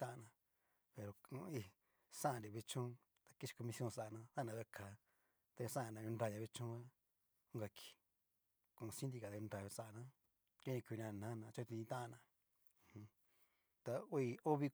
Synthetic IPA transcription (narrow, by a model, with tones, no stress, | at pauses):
t̪ã˦ʔnã˧ | pe˨ɾo˨˧kũ˧i˧ | sã˦ã˧˨ɾi˨βe˧t͡ʃũ˦ | t̪ḁ˧ki˦ʃi̥˧ko˧mi˧sjõ˦˧˨sa˧˨nã˧t̪a˦˨nã˧βe˧kʰa˨ | t̪a˧sã˦˧˨nã˧ju˧nda˧ja˧βe˧t͡ʃũ˦a˦ | ũ˦ɡa˧kʰi̥˨ | kũ˧˨˧sĩ˦d̪i˧ka˨˧u˧nɾa˧jsa˧˨nã˧ | o˦nĩ˧kʷu˧n˧ã˧˨nã˨˦˧nã˧t͡ʃo˦˧t̪i˧ĩ˧t̪ã˦ʔnã˧˨ | h | t̪a˧o˦i˧o˦βi˧